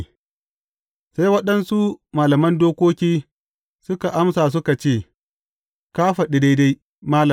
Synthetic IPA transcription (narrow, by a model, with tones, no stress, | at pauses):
sa˦jwɐ˦ɗɐ˦nsu˦maː˨lɐ˨mɐ˦ndoː˦kʷoː˦kʲiː˦ | sʊ˦ka˨ʔa˦msaː˨s̬ʊ˦ka˨t͡ʃeː˦˨ | kaː˦ɸɐ˨ɗɪ˦da˦jda˦j | maː˦lɐ˨